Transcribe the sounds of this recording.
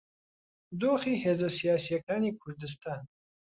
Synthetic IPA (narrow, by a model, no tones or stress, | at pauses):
d̪oːχiːheːzɐsijaːsijɐkaːniːkʰʊɾd̪ɨs̬t̪aːn